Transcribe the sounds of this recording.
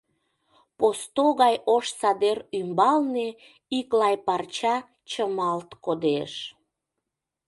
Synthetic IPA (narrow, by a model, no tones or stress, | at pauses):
post̪oɣɑjoʃsɑd̪erymbɑlne | iklɑjpɑrt͡ɕɑ | t͡ɕəmɑlt̪kod̪eʃ